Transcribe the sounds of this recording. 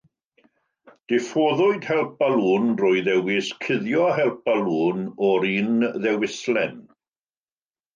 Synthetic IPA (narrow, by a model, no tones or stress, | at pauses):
d̥ɪfoːðʊɨd̥hɛlˠp̚alˠuːnrʊːɨðɛwɪskʰɪðjɔhɛlˠp̚alˠuːnɔɾiːnðɛwɪslɛn